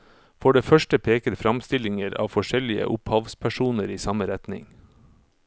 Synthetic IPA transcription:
fɔɖeːfœʃʈəpʰeːkəɾfɾɑmst̪ɪlɪŋəɾɑ̰ːʋfɔʃɛlɪə̰ʔʊphɑʋspʰæʃuːnəɾiːsɑməɾɛt̪nɪ̰ŋ

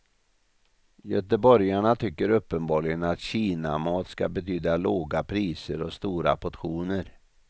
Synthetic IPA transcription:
jœt̪əbɔɾjaɳat̪ʰʏkːəɾɵpːənbɑːɭɪɡənat̪ɕiːnamɑːt̪ska̰bɛt̪ʰyːd̪aloːɡapʰɾiːsəɾɔst̪uːɾa̰pʰɔt̪ɧuːnəɾ

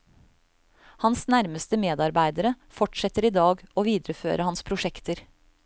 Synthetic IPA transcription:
hɑnsnæɾməst̪əmeːd̪ɑɾbæɪd̪əɾə | fɔʈʂɛt̪əɾiːd̪ɑːɡoːʋiːd̪ɾəfø̰ːɾəhɑnspʰɾʊʂɛkt̪əɾ

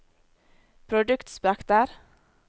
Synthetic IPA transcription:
pʰɾʊd̪ʉkt̪spækt̪əɾ

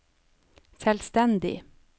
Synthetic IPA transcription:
sɛlst̪ɛnd̪ɪ̰

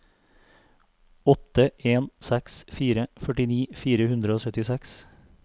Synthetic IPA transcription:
ɔt̪əʔeːnsɛksfiːɾəfœʈɪniːfiːɾəhʉnd̪ɾəoːsœt̪ɪsɛks

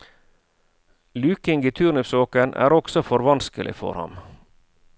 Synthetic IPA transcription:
lʉːkɪŋɡiːt̪ʰʉɾɳʏpsoːkənʔæ̰ːɾɔksɔfɔɾʋɑnskəlʔɪ̰fɔ̰ɾhɑ̰m

